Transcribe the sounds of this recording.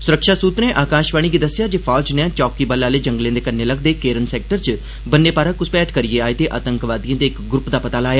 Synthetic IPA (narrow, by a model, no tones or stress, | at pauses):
sʊɾəkʃaːsuːt̪nẽːʔaːkãːʃʋaːɽ̃iːɡiːd̪əsːɪjaːd͡ʒeːpʰaːd͡ʒnẽt͡ʃɔːkiːbəlːaːleːd͡ʒə̃ŋɡlẽːd̪eːkənːeːləɡd̪eːkeːɾənsɛːk̚ʈəɾt͡ʃ | bənːeːpaːɾãːkʊspɛːʈkəɾijeaːeːt̪eːʔa̰ːt̪əŋkʋaːd̪ijãːd̪eːɪkɡɾʊpd̪aːpət̪aːlaːjaː